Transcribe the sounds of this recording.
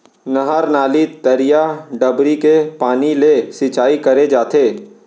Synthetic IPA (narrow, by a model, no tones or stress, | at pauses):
nɐɦəɾnaːlit̪əɾijaɖɐbɾikepaːnilesɪt͡ʃaːikɐɾed͡ʒaːt̪eː